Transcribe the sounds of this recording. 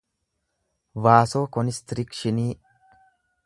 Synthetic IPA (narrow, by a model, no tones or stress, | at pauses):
vaːsoːkɔnɪst̪ɾɪkʃɪniː